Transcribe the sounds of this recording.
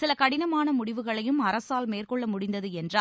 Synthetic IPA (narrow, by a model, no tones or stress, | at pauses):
sɪlɐkɐɽɪnɐmaːnɐmʊɽɪʋɯɣɐɭɐjɯmɐɾɐsaːlmeːrkɔɭːɐmʊɽɪnd̪ɐðɯɛndraːl